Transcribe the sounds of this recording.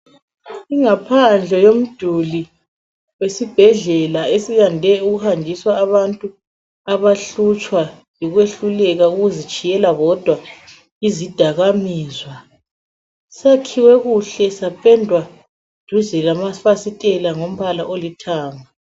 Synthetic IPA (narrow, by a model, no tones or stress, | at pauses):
iŋapʰand͡ɮʱɛjom̩d̥ʱuli | wesib̥ʱɛɮɛlaesiɣandʱɛuɣuhandʱiswaːβantʼu | aβaɬut͡ʃʼwa | jiɣweɬulɛɣauɣuzit͡ʃʼijɛlaɣɔd̥ʱwa | izid̥ʱaɣamiːzwa | sakʰiwɛɣuɬɛsapʼɛndʱwḁ | d̥ʱuzɛlamafasitʼɛlaŋom̩βalaʔolitʰaːŋa